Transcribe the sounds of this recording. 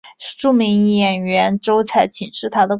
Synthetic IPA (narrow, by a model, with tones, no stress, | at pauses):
ʈ͡ʂu˥˩mi˧˥ŋi˥˩jɛ˥˩nɥɛ˧˥nʈ͡ʂo˥ʊt͡sʰa˥˩ɪt͡ɕʰi˨˩ŋʂɻ̩˥˩t̪ʰa˥d̪ə˧